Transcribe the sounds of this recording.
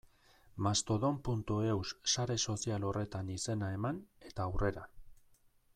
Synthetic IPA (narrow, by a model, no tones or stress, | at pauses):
mast̪o̞ðo̞mpunt̪ue̞wsːaɾe̞so̞sialo̞rʔe̞t̪anise̞nae̞mane̞t̪aːwre̞ɾa